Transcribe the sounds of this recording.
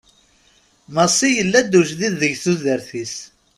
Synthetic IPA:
məsˤijəlːæd̪uʒðiðːəʝθuzəɾθis

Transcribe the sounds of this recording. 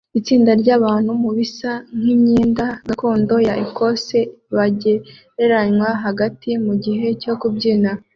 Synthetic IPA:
it͡siːndaɾɟaːβaːn̥humuβisaŋ̥imɲiːndaɡako̞ːndo̞jaʔiko̞se̞βaɟe̞ɾe̞ɾaɲwaɦaɡatʰimuɟiɦe̞co̞kubɟina

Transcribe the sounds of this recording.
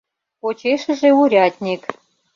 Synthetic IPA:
pot͡ɕeʃə̆ʒeuɾʲɑt̪ʲnʲek

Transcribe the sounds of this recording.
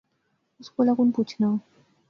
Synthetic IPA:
uskulakunoput͡ɕʰna

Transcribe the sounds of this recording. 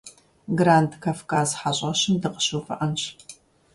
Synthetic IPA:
ɡraːntʰkʰaːfkʰaːzħaɕʼɐɕɪmdɨqə̥ɕowfɐ̰ʔɐnɕ

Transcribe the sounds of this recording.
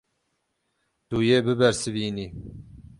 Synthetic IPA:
d̪̥uːjeːbɨbɛɾsɨviːniː

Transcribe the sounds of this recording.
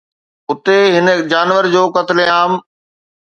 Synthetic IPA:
ʊt̪eɦɪnəd͡ʑaːnʋəɾd͡ʑoːkɐt̪leaːm

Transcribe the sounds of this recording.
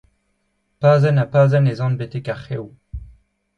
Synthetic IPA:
paːzɛnapaːzɛnezɑ̃nbet̪ekaχew

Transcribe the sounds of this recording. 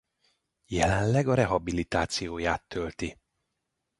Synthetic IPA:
jɛlɛnlɛɡɒɾɛɦɒbilit̪aːt̪sijoːjaːt̪ʰːølt̪i

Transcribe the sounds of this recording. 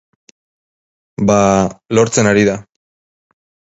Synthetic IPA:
balo̞ɾt͡se̞naɾiða

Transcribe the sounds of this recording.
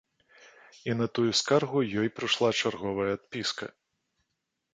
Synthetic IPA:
inɐt̪ujuskarɣujɔjpɾɨʂlˠat͡ʂarɣɔvɐjɐːt̪̚pʲiskɐ̰

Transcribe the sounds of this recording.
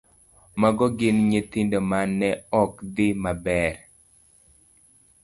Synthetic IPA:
maɡɔɡɪnɲet̪indomanːɛɔkd̪ɪmabɛɾ

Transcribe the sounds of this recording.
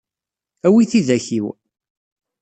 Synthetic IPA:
æwiθiðæçiw

